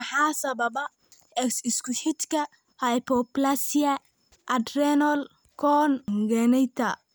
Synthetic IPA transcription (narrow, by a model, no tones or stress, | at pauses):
ħɑːsɐβɐbɐ | ɛksɪskʰʊħɪt̪kʰɐ | hɐjpʰɔplasiɐ | ʔɐd̪rɛnɔl | kʰɔnɡɛnɛjt̪ʰɐ